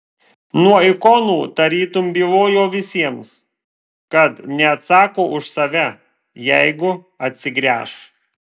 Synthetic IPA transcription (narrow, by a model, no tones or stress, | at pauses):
nuɔɪkɔnuːt̪ɐɾʲiːt̪ʊmʲbʲiːʋoːjoːʋʲɪsʲiɛms | kɐt̪nʲɛɐt̪sɑːkoːʔʊʃsɐʋʲɛ | jɛɪɡʊ | ɐt̪ʲsʲɪɡɾʲæ̰ːʃ